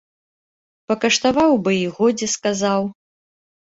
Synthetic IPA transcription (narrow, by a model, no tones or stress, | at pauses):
pɐkɐʂt̪avawbɨiɣɔd͡zʲɛskazaw